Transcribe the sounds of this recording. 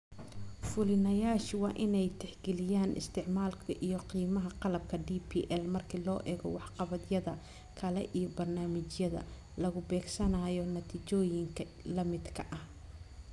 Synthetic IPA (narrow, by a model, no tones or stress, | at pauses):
fʊlɪnɐjaːʃwɑːʔɪnɛjt̪ʰɛħɡɛlɪjaːnɪ̰st̪ʰɪʕmaːlkʰɐʔijɔqiːmɐɦɐqɑlɐb̚kʰɐɖiːpʰiːʔɛlmɐrkʰilɔːʔɛːɣɔ̰wɑħqɑβɐd̪jɐðɐ | kʰɐlɛ̰ʔijɔbɐrnaːmɪt͡ʃjɐðɐ̰ | lɐɣʊbɛːɡsɐnɐːjɔnɐt̪ʰiːt͡ʃɔːjɪŋkʰɐ | lɐmɪd̪kʰɐʔɐh